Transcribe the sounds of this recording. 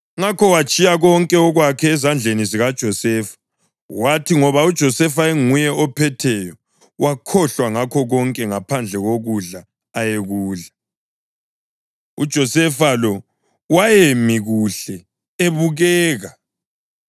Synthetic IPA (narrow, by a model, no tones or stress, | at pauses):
ŋakʰɔwat͡ʃʼijaɣɔŋkʼɛɔɣwakʰɛːzand͡ɮʱeniziɣad̥ʒ̥ʱɔsɛfḁ | watʰiŋɔβaud̥ʒ̥ʱɔsɛfaeŋujɛɔpʰɛtʰɛjɔ | wʔakʰɔɬwaŋakʰɔɣɔŋkʼɛŋapʰand͡ɮʱɛɣoɣuɮaː | jeɣuːɮa | ṵd̥ʒ̥ʱɔsɛfalɔ | wajemiɣuɬɛ | eβuɣɛːɣa